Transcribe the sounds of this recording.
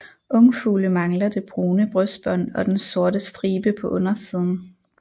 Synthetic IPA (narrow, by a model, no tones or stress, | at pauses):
ʔɔ̽ŋfuːləmɑ̈ŋlɐd̥e̝b̥ʁoːnəb̥ʁœsd̥̚b̥ɒn̰ɒ̽d̥enso̝ɐɾəsd̥ʁiːb̥əpʰɒ̽ʔɔnɐsiːð̞ˠn̩